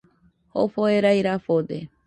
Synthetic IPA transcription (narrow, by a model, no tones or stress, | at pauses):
ho̰foeɾajɾafod̪e